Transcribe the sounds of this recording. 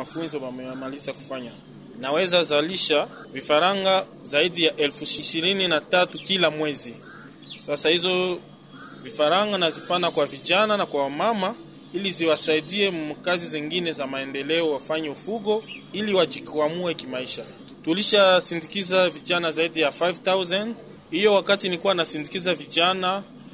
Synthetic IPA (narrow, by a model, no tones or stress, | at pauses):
mafunzɔwamɛmalisaku̥faɲa | nawɛzazaliʃa | vifaɾaŋɡa | zaidijaʔɛlfuiʃiʃiɾininatatukilamwɛzi | sasahizɔ | vifaɾaŋɡanazifanakwaviʄananakwawamama | iliziwasaidiɛkaziziŋɡinɛzamaɛndɛlɛɔwafaɲɛufuɡɔiliwad͡ʒikamuɛkimaiʃa | tuliʃasindikizaviʄanazaidijafajvtawzand | hijɔwakatinikuwanasindikizaviʄana